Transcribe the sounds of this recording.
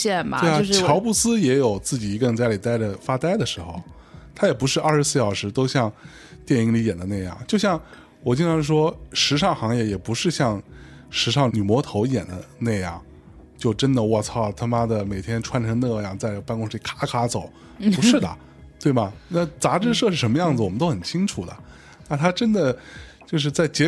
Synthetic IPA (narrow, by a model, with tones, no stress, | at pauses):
ɛ˥˩n̰we˥˩˥a˧t͡ɕʰjɑ˧˥ʊpu˥˩sɹ̩˥jɛ˧˥jo˨˩ʊt͡sɹ̩˥˩t͡ɕi˨˩i˧˥kə˥˧nt͡sa˥˩ɪli˨˩t̪a˥˩ɪʈ͡ʂə˩fa˥t̪a˥ɪd̪ə˨ʂɻ̩˧˥xo̰˧ʊ | t̪ʰa˥jɛ˨˩pu˧˥ʂɻ̩˥˧ʔaɐ˞˥˩ʂɻ̩˧˥sɹ̩˥˧ɕjɑ˥˨˩ʊʂɻ̩˧˥t̪o˥ʊɕjɑ˥˧ŋ | t̪jɛ˥˩ni˧˥ŋli˧˥jɛ̰˨˩nd̪ə˦na˥˧ɪjɑ̰˥˩ŋt͡ɕjo˥˧ʊɕjɑ˥˩ŋ | wɔ˨˩t͡ɕi˥ŋnʈ͡ʂʰɑ˧˥ŋʂ̬wɔ˥ʂɻ̩˧˥ʂɑ˥˩ŋxɑ˧˥ŋjɛ˥˩jɛ˨˩pu˧˥ʂɻ̩˥˧ɕjɑ˥˩ŋ | ʂɻ̩˧˥ʂ̬ɑ˥˩ŋny˨˩mwɔ˧˥t̪ʰo˧˥ʊjɛ̰˨˩nd̪ə̰˦na˥˧jɑ̰˥˩ŋ | t͡ɕjo˥˩ʊʈ͡ʂə˥nd̪ə˨wɔ˥˧˩t͡sʰɑ˥˩ʊt̪ʰa˥ma˥d̪ə˨˩me˨˩ɪt̪ʰjɛ˥nʈ͡ʂʰwa˥nʈ͡ʂʰɤ˧˥ŋna˥˧˥jɑ˥˩ŋt͡sa˥˩ɪpa˥˧nkʊ˥ŋʂ̩˧˥i˥˩kʰa˥kʰa˥t͡so˨˩˦ʊ | pu˧˥ʂɻ̩˥˩d̪ə̰˩ | t̪we˥˩ɪbɐ˩na˥˩t͡sa˧˥ʈ͡ʂɻ̩˥˧ʂɤ˥˧ʂɻ̩˥˩ʂə˧˥nmə˧jɑ˥˩ŋd͡z̩˨wɔ˨˩ə˦t̪o˥ʊxə˨˩nt͡ɕʰi˥ŋʈ͡ʂʰu˨˩d̪ə̰˩ | na˥˩nt̪ʰa˥ʈ͡ʂə˥nd̪ə˨t͡ɕjo˥˧ʊʂɻ̩˥˧t͡sa˥˩ɪt͡ɕjɛ˧˥